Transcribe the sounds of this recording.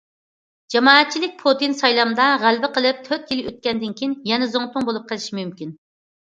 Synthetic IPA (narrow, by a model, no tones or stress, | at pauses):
d͡ʒɑmɑːɛt̪̚t͡ʃʰilɪk̚ʲpʰot̪insɑjlˠɑmd̪ɑʁælbɪqəlˠɨp̚t̪ʰøɾt̪̚kʲiløt̪̚kʲɛnd̪ɪnkʲʰiinjɛnɛzoŋt̪ʊŋbolˠup̚qʰəlˠɨʃimymkʲin